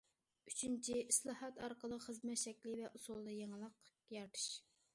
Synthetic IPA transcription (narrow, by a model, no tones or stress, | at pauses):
yt͡ʃʰynt͡ʃʰiislˠɑhɑt̪ɑɾqəlˠəχəzmɛt̪ʃɛkʲlɪvɛʔusulˠːɨjeŋlˠəq | jɑɾt̪ʰɨ̥ʃ